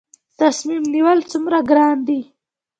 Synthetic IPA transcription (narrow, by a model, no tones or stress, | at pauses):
t̪asmimniwəlt͡sumɾaɡɾɑːnd̪i